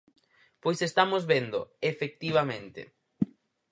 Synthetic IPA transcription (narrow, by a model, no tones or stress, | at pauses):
pojsest̪amozβend̪ʊefek̚t̪iβ̞amẽnt̪ɪ̰